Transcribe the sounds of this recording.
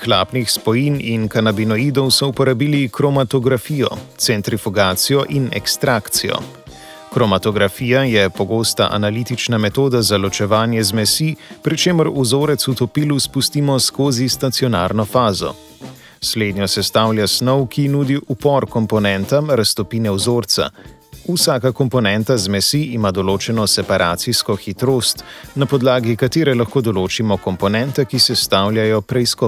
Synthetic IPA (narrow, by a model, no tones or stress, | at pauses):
xlaːpnixspɔjininkanabinɔiːd̪ɔwsɔupɔɾabiːlikɾɔmat̪ɔɡɾafiːjɔ̰t̪sɛnt̪ɾifuɡaːt̪sijɔʔinɛ̰kst̪ɾakt̪sijɔ̰ | kɾɔmat̪ɔɡɾafiːjajɛpɔɡoːst̪a̰ʔa̰naliːt̪it͡ʃnamɛt̪oːd̪azalɔt͡ʃɛʋaːnjɛzmɛsiːpɾit͡ʃeːmɔɾuzoːɾɛt̪sut̪ɔpiːluspust̪imɔskoːzist̪at̪sijɔna̰ːɾnɔfaːzɔ̰ | sleːd̪njɔsɛst̪aːwljasnɔwkinuːd̪iʔupɔɾkɔmpɔnɛnt̪amɾast̪ɔpiːnɛuzoːɾt̪sa̰ | usaːkakɔmpɔnɛnt̪azmɛsiːmad̪ɔloːt͡ʃɛnɔsɛpaɾʔaːt̪siskɔxit̪ɾoːst̪napɔd̪laːɡikat̪eːɾɛlaxkoːd̪ɔloːt͡ʃimɔkɔmpɔnɛnt̪ɛkisɛst̪aːwljajɔpɾɛiskɔ